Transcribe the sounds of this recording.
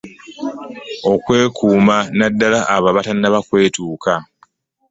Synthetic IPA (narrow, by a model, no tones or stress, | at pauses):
o̞kwe̞ːkʰuːmanadːalaʔːβaβatanːaβakwe̞ːtuːka